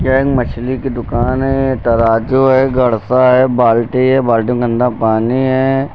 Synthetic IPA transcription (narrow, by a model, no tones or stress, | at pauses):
jɛːɡmɐt͡ʃʰlikid̪ʊkaːnɦɛt̪ɐɾaːd͡ʒoɦɛːɡɐɽsaɦɛːbaːlʈiɦɛbaːlʈ̬ĩɡə̃nd̪apaːniɦɛː